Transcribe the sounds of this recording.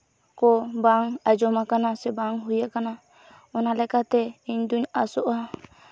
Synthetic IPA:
kɔbaŋad͡ʒɔmakanasɛbaŋɦujaʔkana | ɔnalɛkat̪ɛiɲd̪uɲasɔʔa

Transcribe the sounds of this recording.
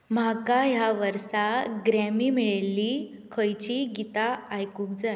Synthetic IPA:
m̤akajaʋəɾsaɡɾamiːmiɭelːiː | kʰəjt͡ɕiɡit̪aajkuːk̚d͡zaj

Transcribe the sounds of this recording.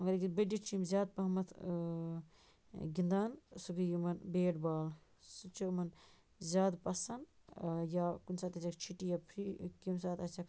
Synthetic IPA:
ɐŋɡɐɾkibɐɖit͡ʃʰimzʲjaːd̪̚pɐɦmɐt̪ʰ | ɡind̪aːnsukijimɐnbeːɖbaːl | sut͡ʃʰimɐn | zʲjaːd̪pɐsɐnjakunsaːt̪ɐt͡ʃʰɐkt͡ʃʰiʈijapʰikimsaːt̪ɐt͡ʃɐk

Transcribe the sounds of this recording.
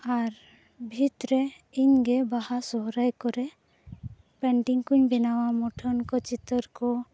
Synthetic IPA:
aɾ | bʱit̪ɾɛ | iɲɡɛbaɦasɔɦɾajkɔɾɛ | pɛɳʈiŋkuɲbɛnawamɔʈʰɔnkɔt͡ʃit̪ɔɾkɔ

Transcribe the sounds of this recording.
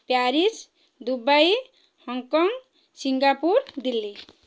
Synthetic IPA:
pjaɾis | d̪ubaj | hɔŋkɔŋ | siŋɡapuɾd̪ilːi

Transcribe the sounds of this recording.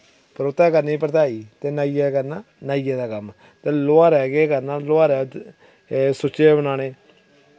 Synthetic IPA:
pəɾot̪ːaːkəɾniːpɾət̪aːiːt̪eːnaːijaːkəɾnaː | naːijɛːd̪aːkəm | t̪eːloaːɾɛːɡeːkəɾnaːloaːɾɛː | sʊt͡ʃːeːbənaːneː

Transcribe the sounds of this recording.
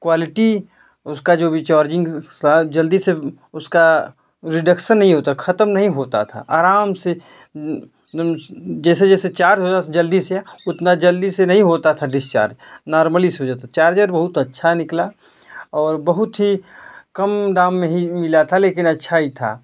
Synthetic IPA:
kwaːlɪʈi | ʊskad͡ʒoːbʱit͡ʃaːɾd͡ʒɪ̃ŋɡt̪ʰad͡ʒɐld̪ise | ʊska | ɾɪɖəkʃənːɐɦĩɦoːt̪akxʰɐt̪əmnɐɦĩɦoːt̪a̰t̪ʰa̰ʔaːɾaːmse | d͡ʒɛːsed͡ʒɛːset͡ʃaːɾd͡ʒɦoːt̪at̪ʰad͡ʒɐld̪iseʊt̪nad͡ʒɐld̪isenɐɦĩɦoːt̪at̪ʰaɖɪst͡ʃa̰ːɾd͡ʒnaːɾməlisɦod͡ʒaːt̪at͡ʃaːɾd͡ʒəɾbɐɦʊt̪ɐtːʃʰanɪkla | ɔːɾbɐɦʊt̪ɦikɐmd̪aːmːẽɦimɪlat̪ʰaleːkɪnɐtːʃʰaɦit̪ʰa̰ː

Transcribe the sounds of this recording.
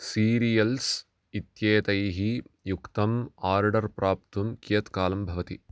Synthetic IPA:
siːɾijɐls | it̪jɐːt̪ɐjɦijukt̪ɐmaːɾɖɐɾpɾaːp̚t̪umkijɐt̪kaːlɐmbʱɐʋɐt̪i

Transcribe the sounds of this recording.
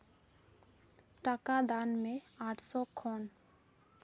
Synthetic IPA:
ʈakad̪anmeaʈsokʰɔn

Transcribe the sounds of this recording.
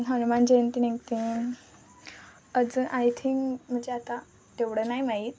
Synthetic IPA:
nɦənumand͡ʑeənt̪ineŋt̪i | əd͡zəʔajt̪ʰĩŋkm̤ənd͡zeat̪a | t̪eʋɽənajmait̪̚

